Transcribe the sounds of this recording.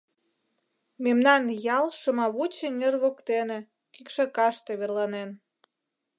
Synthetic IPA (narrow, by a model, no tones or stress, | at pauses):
memnɑnjɑlˠʃəmɑβut͡ɕeŋerβokt̪ene̽ | kykʃɑkɑʃt̪eβerlɑnen